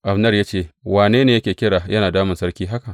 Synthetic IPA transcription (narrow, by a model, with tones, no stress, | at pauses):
ʔa˨bnɐ˦˨rjaː˦t͡ʃeː˦˨waː˨neː˦neː˨jkʲeː˨kʲɪ˦ɽaː˨jɐ˦naː˨daː˦mɪ˨nsɐ˦rkʲiː˦ɦa˦ka˨ʔ